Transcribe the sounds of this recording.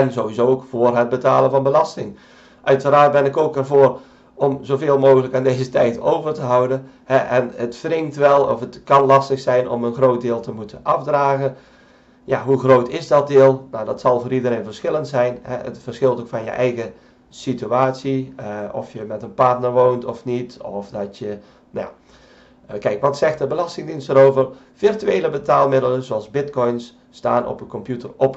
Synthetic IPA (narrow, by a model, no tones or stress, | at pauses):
ɛnzoːʋizoːkfoːərɦət̚bətaːlˠənvɑnbəlɑstɪŋ | ʔœɥtəraːrt̚bɪnɪkoːkərvoːər | ɔmzoveːlˠmoːxələkaːndeːzətɛjtʰowvərtəɦʌwdə | hɛʔɛnətfrɪŋtʋɛlˠɔ̰fətkɑnlɑstəxsɛjnɔ̰mənxroːt̚dɪːlˠtəmutʰənʔɑfdraːɣən | jaɦuxroːtɪsdɔt̚dɪəlˠnadɔtsɑlˠvoːɾidəreːnvərsxɪlˠəntsɛjnhɛ̰ʔə̰tfərsxɪlˠtokfɑnjə̰ʔɛjɣə | sityaːtsiɔfjəmɛtənpartnərʋoːntɔfnitɔfdɔtjə | nja̰ | kɛjkʋɔtsɛxtəbəlɑstɪŋdinstəɾoːvər | firtyeːləbətaːlˠmɪdələnzoɑlˠzbɪtkɔjnsː | taːnʔɔ̰pənkɔmpjutərɔp